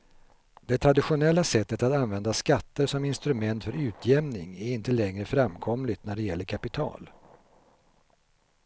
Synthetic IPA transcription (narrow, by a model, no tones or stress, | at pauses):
d̪̥ɛt̪ʰɾad̪ɪɧʊnɛlːasɛt̪ːət̪at̪anvɛnd̪askat̪ːəʂɔmɪnst̪ɾɵmɛnt̪fœɾʉ̟ːt̪ʰjɛmnɪŋæɾɪnt̪əlɛŋɾəfɾamkʰɔmlɪt̪næɖɛjɛlːəɾkʰapɪt̪ʰɑ̰ːl